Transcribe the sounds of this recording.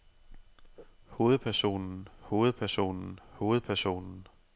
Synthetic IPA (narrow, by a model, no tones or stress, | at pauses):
ho̝ːð̩ˠpʰæɐso̝̰ːnn̩ho̝ːð̩ˠpʰæɐso̝̰ːnn̩ho̝ːð̩ˠpʰæɐso̝̰ːnn̩